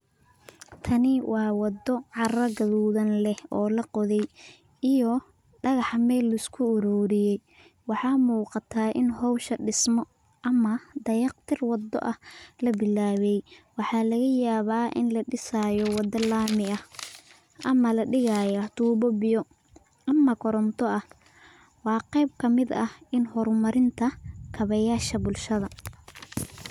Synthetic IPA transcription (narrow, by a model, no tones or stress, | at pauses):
t̪ʰɐnɪwʔɑːwɑd̪ɔʕɑrɐɡɐðuːðɐnlɛhɔːlɐqɔðɛj | ijɔ | ɖɑɣɑħmɛːlːʊɪskʰʊːɾɔːɾɪjɛj | wɑħɑːmuːqɑt̪ʰaːʔɪnɦɔwʃɐɖɪsmɔ | ʔɐmɐd̪ɐjɑqt̪ʰɪrwɑd̪ɔ̰ʔɐhlɐbɪlaːwɛjwɑħɑːlɐɣɐjaːβaːʔɪ̰nlɐɖɪsaːjɔwɑd̪ɐlaːmɪɐh | ʔɐmɐlɐɖɪɣajɐt̪ʰuːβɔbɪjɔ | ʔɐmːɐkʰɔɾɔnt̪ʰɔʔɐh | wɑːqɛjb̚kʰɐmɪd̪ɐhɪnhɔɾmɐɾɪnt̪ʰɐkʰɐβɐjaːʃɐbʊlʃɐðɐ